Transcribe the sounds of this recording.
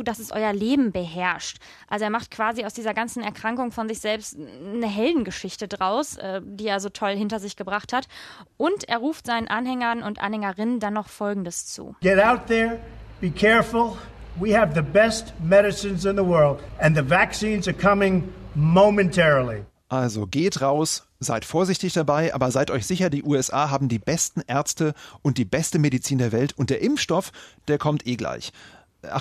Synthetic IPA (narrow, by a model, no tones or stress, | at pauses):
dasɛsʔɔ̰ʏɐleːbm̩bəɦɛɐʃt | ʔalzoeːɐmaχt̚kv̥aːziaʊsd̥iːzɐɡant͡sn̩ɛɐkʁ̥aŋkʊŋfɔnzɪçz̥ɛlpstnəɦɛldn̩ɡəʃɪçtədʁaʊsʔɛːdiːeːɐzoːtʰɔlhɪntɐzɪçɡ̥əbʁaχthatʔʊntʔeːɐʁuːftz̥aɪnənʔanhɛŋɐnʊntʔa̰nhɛŋɐʁɪnəndanːɔχfɔlɡŋ̩dəst͡sṵːɡ̥ɛɾaʊt̪̚ðə˞b̥ikʰɛɹfl̩ˠ | wiɨvðɨbɛstmɛɾɨsɨ̃nzɨ̃nðəwɜ˞lˠdɨ̃nðɨvæksĩnzə˞kʰʌmɪ̃ŋmõʊ̃mɨ̃ntʰɛɹl̩ˠḭ | ʔalzoɡeːtʁaʊs | z̥a̰ɪtfoːɐzɪçtɪçd̥abaɪʔa̰ːbɐzaɪtʔɔʏçz̥ɪçɐdiːʔuːɛsʔaːɦaːbm̩diːbɛstn̩ʔɛɐt͡stəʔʊnt̚d̥iːbɛstəmeɾit͡siːndeːɐvɛltʰʊnt̚d̥eːɐʔɪmfʃtɔfd̥eːɐkʰɔmtʔeːɡla̰ɪç | ʔa̰